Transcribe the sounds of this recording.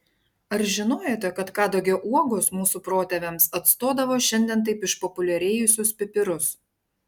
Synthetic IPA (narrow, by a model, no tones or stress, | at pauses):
ɐɾʒʲɪnoːjoːt̪ʲɛkɐt̪kɑːd̪oːɡʲɛʊʔuɔɡosmuːsuːpɾoːt̪ʲɛʋʲɛmsɐt̪st̪oːd̪ɐʋoːʃʲɛnʲd̪ʲɛnt̪̬ɐɪpɪʃpɔpʊlʲɛɾʲeːjʊsʲʊspʲɪpʲɪɾʊs